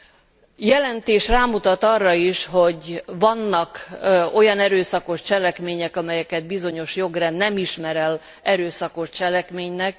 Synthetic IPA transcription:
jɛlɛnt̪eːʃraːmut̪ɒt̪ɒrːɒiʃho̞ɟvɒnːɒko̞jɒnɛɾøːsɒko̞ʃt͡ʃɛlɛkmeːɲɛkɒmɛjɛkɛd̪̚bizo̞ɲo̞ʃjo̞ɡrɛnnːɛmiʃmɛɾɛl | ɛɾøːsɒko̞ʃt͡ʃɛlɛkmeːɲnɛk

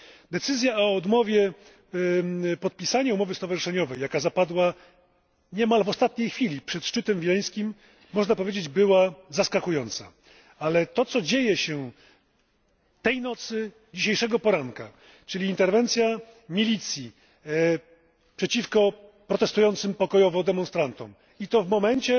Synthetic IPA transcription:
d̪ɛt̪sɘzʲjaɔɔɔd̪mɔvʲjɛ | pɔt̪̚pʲisaɲɛumɔvɘst̪ɔvaʐɘʂɛɲɔvɛjːakazapad̪wa | ɲɛmalvɔst̪at̪ɲejxfʲilʲipʂɛt̪ʂt͡ʂɘt̪ɛmvʲilɛj̃skʲimː | ɔʐnapɔvʲjed͡ʑed͡ʑbɘwazaskakujɔnt̪sa | alɛt̪ɔt̪sɔd͡ʑejɛɕɛ | t̪ɛjnɔt̪sɘ | d͡ʑiɕejʂɛɡɔpɔɾaŋka | t͡ʂɘlʲiːnt̪ɛɾvɛnt̪sʲja | mʲilʲit̪sʲji | pʂɛt͡ɕifkɔpɾɔt̪ɛst̪ujɔnt̪sɘmpɔkɔjɔvɔd̪ɛmɔnst̪ɾant̪ɔ̰m | it̪ɔvmɔmɛnt͡ɕɛ

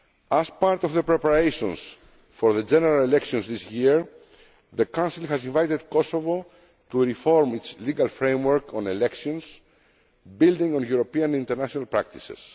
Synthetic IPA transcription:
azpaɾt̪ovðəpɾepaɾejʃõns | foɾðəd͡ʒeneɾalelekʃiõnsðisjiɹ | ðəkãnsilxɐzĩɱvajt̪ed̪̚kosovo | t̪uɾifoɾmit͡sliɡɐlfɾẽjmwəɾkõnelekʃiõns | bild̪ĩŋõnjuɾopiɐ̃nĩnt̪eɾnaʃonalpɾak̚t̪i̥sḛs

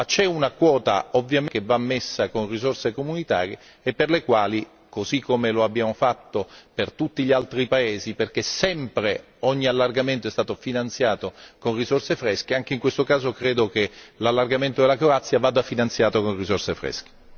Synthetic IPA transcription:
at͡ʃɛunakwɔːt̪a̰ovːjamekevːamːesːakonrizorsekomunit̪a̰ːɾiḛː | pːerlekwaːli | kozikʰːomeloabːjaːmofat̪ːopert̪ut̪ːiʎialt̪ɾipaeːziperkesɛmpɾe | ɔɲːialːarɡament̪oɛst̪aːt̪ofinant̪sjaːt̪okonrizorsefɾɛsk̟eaŋk̟eiŋkwest̪okaːzokɾeːd̪ok̟elalːarɡament̪od̪elakɾoat̪sːjavaːd̪afinant̪sjaːt̪okonrizorsefɾɛ̰sk̟e̥

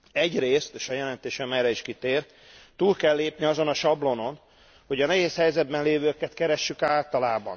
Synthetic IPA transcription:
ɛɟreːst̪eːʃɒjɛlɛn̪t̪eːʃɛmɛjrɛiʃkit̪eːr | t̪uːlkɛlːeːpniɒzo̞nɒʃɒblo̞no̞n | ho̞ɟɒnɛɦeːshɛjzɛd̪̚bɛnleːvøːkɛt̪kɛɾɛʃːykaːlt̪ɒlaːbɒ̰n

